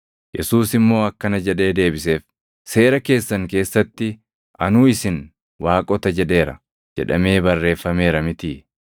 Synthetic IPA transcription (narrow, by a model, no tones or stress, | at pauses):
jɛsuːsɪmːo̞ːɐkːɐnɐd͡ʒɛᶑe̞ːd̪e̞ːbɪse̞ːf | se̞ːɾɐke̞ːsːɐŋke̞ːsːɐt̪ːɪ | ʔɐ̰nuːɪsɪn | waːkʼɔt̪ɐd͡ʒɛᶑe̞ːɾɐ̰ | d͡ʒɛ̰ᶑɐ̰me̞ːbɐrːe̞ːfːɐme̞ːɾɐmɪt̪iː